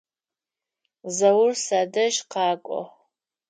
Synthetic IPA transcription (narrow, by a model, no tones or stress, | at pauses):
zɐwʊrsadɐʒqɑːkʷʼɔ̰